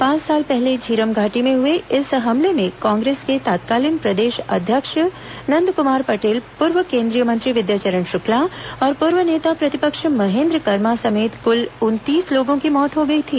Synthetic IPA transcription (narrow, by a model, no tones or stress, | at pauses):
pãːt͡ʃsaːlpɛɦled͡ʒʱiːɾəmɡʱaːʈimẽɦʊeɪsɦɐmlemẽkãːŋɡɾeːsket̪aːt̪kaːlinpɾɐd̪eːʃɐ̰d̪ʱjəkʃ | nɐ̃nd̪ʱkʊmaːɾpɐʈeːlpʊɾʋəkẽːnd̪ɾijəmɐ̃nt̪ɾiʋɪd̪jaːt͡ʃəɾəɳʃʊkʰlaɔːɾpʊɾʋəneːt̪apɾɐt̪ɪpəkʃmɐɦẽːnd̪ɾəkɐɾmasɐmeːt̪kʊlʊnt̪iːsloːɡõkimɔːt̪ɦoɡɐit̪ʰiː